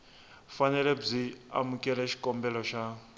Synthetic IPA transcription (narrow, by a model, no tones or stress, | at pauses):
fanɛlɛb͡ʐia̰mukʼɛlɛʃi̥kʼɔmbɛlɔʃa